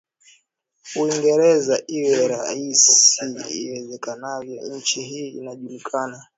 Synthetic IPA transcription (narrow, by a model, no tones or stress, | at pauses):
uiŋɡɛɾɛzaʔiwɛɾaisiḭwɛzɛkanavjɔɲ̩t͡ʃiɦiːnaʄulikʰana